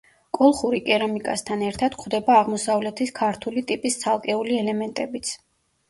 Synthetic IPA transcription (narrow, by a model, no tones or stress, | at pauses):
kʼɔlˠχuɾikʼɛɾamikʼa̰st̪ʰanɛɾt̪ʰad̪̥kʰwd̪ɛbaːʁmɔsavlɛt̪ʰiskʰaɾt̪ʰulit̪ʼipʼist̪sʰalˠkʼɛuliɛlɛmɛnt̪ʼɛbit̪sʰ